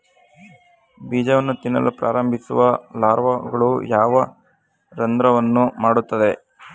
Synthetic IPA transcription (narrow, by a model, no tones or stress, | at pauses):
biːd͡ʒɐʋɐnːut̪inːɐ̰lʔupɾʔaːɾɐmbʱisṵʋɐlaːɾʋɐɡɐɭujaːʋɐ | ɾɐnd̪ɾɐʋɐnːumaːɽut̪ːɐd̪e̞